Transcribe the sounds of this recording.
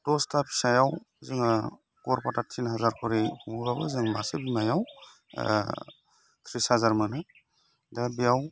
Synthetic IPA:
dɔstapʰi̥sajaw | zɯŋ | kɔɾpatatʰinɦazaɾkʰɔɾihuŋbabɯzɯŋmasɯbimajaw̰ | t̪ʰɾisazaɾmɯnɯ | dabijaw

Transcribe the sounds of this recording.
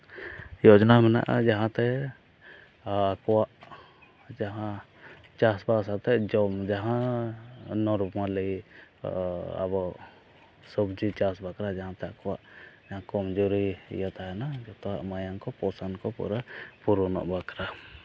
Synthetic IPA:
jɔʔd͡ʒɔnamɛna̰ʔa̰d͡ʒaɦãt̪ɛ | kɔwaʔ | d͡ʒaɦã | t͡ʃasbasat̪ɛd͡ʒɔmd͡ʒaɦã | nɔɾupmalə | a̰bɔ | sɔbd͡ʒit͡ʃasbakɾad͡ʒaɦãt̪ɛakɔwa̰ʔd͡ʒaɦãkɔmd͡ʒuɾiḭjat̪aɦɛnad͡ʒɔt̪ɔwaʔmajaŋkɔpɔsankɔpṵɾapuɾɔnɔ̰ʔbakɾa

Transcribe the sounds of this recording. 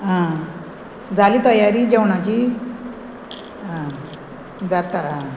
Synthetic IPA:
ɦã | d͡zaliːt̪əjaɾiːd͡ʑewɳat͡ɕiː | ɦã | d͡zat̪a

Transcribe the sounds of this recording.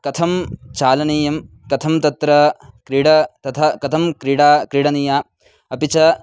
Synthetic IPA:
kɐt̪ʰɐmt͡ʃaːlɐniːjɐm | kɐt̪ʰɐmt̪ɐt̪ɾɐkɾiɽɐt̪ɐt̪ʰɐkɐt̪ʰɐmkɾiɽaːkɾiːɽɐniːjaː | ɐpit͡ʃɐ

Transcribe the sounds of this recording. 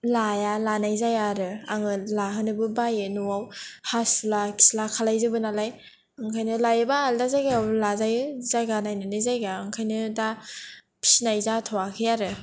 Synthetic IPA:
lajalanajzajaɾɯaŋɯlaɦɯnɯbɯbajɯnuwawhasulakʰi̥slakʰalajzɯbɯnalaj | aŋkʰajnɯlajɯbaaldazajɡaawlazajzajɡanajnɯnajzajɡaːŋkʰajnɯda | pʰi̥sinajzatʰawakʰɯjaɾɯ

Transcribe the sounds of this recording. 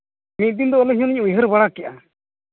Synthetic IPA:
mit̪̚ˀd̪ind̪ɔɔlɛɦiɲɔ̃nɛɲʔujɦəɾbaɽakɛʔa

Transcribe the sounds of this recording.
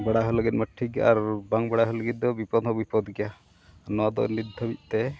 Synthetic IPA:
bəɽaɦɔləɡit̪̚məʈʰːiɡa̰ʔaɾbaŋbəɽaɦɔləɡit̪̚d̪ɔbipɔd̪ɔbipɔd̪ɡɛja | nɔwad̪ɔ̰nid̪ʱːɔbic̪̚ˀt̪ɛ

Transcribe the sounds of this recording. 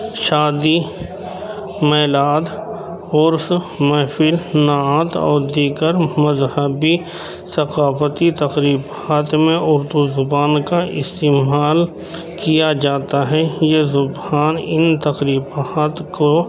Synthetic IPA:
ʃaːd̪i | mɛːlaːd̪ | ʊɾs | mɛːfɪlnaːt̪ɔ̰ːɾd̪iːɡəɾmɐzhəbi | sɐqaːfət̪it̪ɐqɾiːbhaːt̪ʰmẽʔʊɾd̪uzʊbaːnkaʔɪ̰st̪eːmaːl | kijad͡ʒaːt̪aɦɛjezʊbaːnɪnt̪ɐqɾiːbaːt̪ko

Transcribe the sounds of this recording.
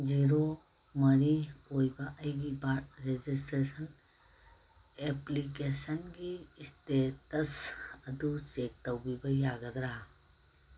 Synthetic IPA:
ziɾo | mɐɾikojbɐʔɐjɡibaɾʈ̚ɾed͡ʒis̬tɾesɐn | eplikesɐnɡistetɐsɐd̪ut͡ʃek̚təwbibɐjaɡɐd̪ɾa

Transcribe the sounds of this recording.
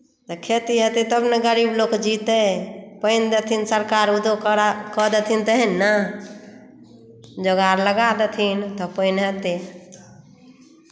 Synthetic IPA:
t̪ɔkʰet̪iɦət̪it̪əbneɡəɾiːbloːkd͡ʒit̪ɛpəind̪et̪ʰinsəɾkaɾud̪okɔd̪et̪ʰint̪əɦɛnːa | d͡ʒəɡaɾləɡad̪et̪ʰint̪ɔpəinɦət̪e

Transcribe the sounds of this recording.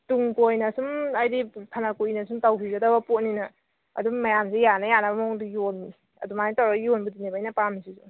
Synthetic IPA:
tuŋkojnɐsumɐjdipʰɐnɐkoinɐsumtawkʰiɡɐdɐbɐpot̚ninɐ | ɐ̰dumɐjamsejanɐjanɐbɐmoŋdujonːi | ɐ̰dumajntawɾakjonbudinebajnɐpamisisu

